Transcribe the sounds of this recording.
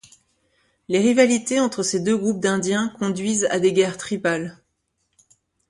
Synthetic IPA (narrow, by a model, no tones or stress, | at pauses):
leʁivalit̪eɑ̃t̪χəsed̪øɡʁup̚d̪ɛ̃d̪jɛ̃kɔ̃d̪ɥiza̰d̪eɡʲɛʁt̪χipal